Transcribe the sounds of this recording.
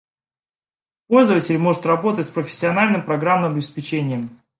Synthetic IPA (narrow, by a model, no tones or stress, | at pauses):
po̞lʲzəvətʲɪlʲmo̞ʐɨt̪rɐbo̞t̪ətʲspɾəfʲɪ̥sʲːɪɐnalʲnɨmpɾɐɡɾamnɨmɐɐbʲɪspʲɪt͡ɕenʲɪjəm